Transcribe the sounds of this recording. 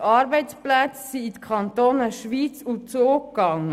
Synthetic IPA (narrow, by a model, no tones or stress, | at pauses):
ɑːɾbɛɪtsplæt͡ssiːt̪əkʰχɑnt̪oːnəʃʋiːt͡sut͡soːk̚kɑŋːə